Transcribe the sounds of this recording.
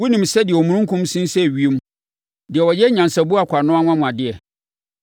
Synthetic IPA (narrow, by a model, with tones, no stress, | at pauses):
wu˦nĩ˨msɛ˦dɪ˨ɛ˨ɔ˨mũ˨˦ũ˦ŋ˦kʰʊ̃˦msĩ˦n˦sɛ˦˨ɥi˦e˦m˦ | dɪ˨ɛ˨wɔ˨jɛ˦ɲã˨nsa˨bʊ˦a˨kʷʰa˨nʊ̃˦a˦ŋʷ˦ã˦mʊ̃˨a˨dɪ˦ɛ˨